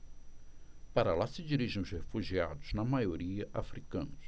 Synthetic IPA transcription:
paɾalasɪd͡ʒiɾiʒẽʊzhefuʒia̰d̪ʊz̥nɐmajoɾiɐʔafɾikɐ̃nʊs

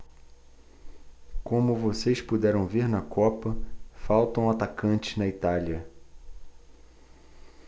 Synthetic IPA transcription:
kõmʊvosejspud̪ɛɾɐ̃w̃viɾnɐkʰɔpɐfawt̪ɐ̃w̃at̪akɐ̃nt͡ʃɪ̥znɐit̪aliɐ

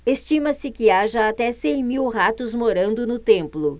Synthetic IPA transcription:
est͡ʃimɐsɪkɪaʒɐat̪ɛsẽj̃miwɦat̪ʊzmoɾɐ̃nd̪ʊnʊt̪ẽmplʊ

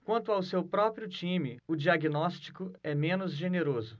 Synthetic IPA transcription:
kwɐ̃nt̪ʊawsewpɾɔpɾiʊt͡ʃĩmɪʊd͡ʒiaɡinɔst͡ʃi̥kʊɛmẽnʊzʒeneɾozʊ

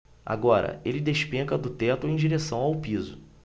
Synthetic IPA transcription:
a̰ɡɔɾɐ̰elɪd̪eʃpẽŋkɐd̪ʊt̪ɛt̪ʊẽj̃d͡ʒiɾesɐ̃w̃awpizʊ

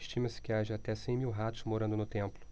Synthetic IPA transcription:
ʃt͡ʃĩmɐsɪ̥kɪaʒɐat̪ɛsẽj̃miwɦat̪ʊ̥zmoɾɐ̃nd̪ʊnʊt̪ẽmplʊ

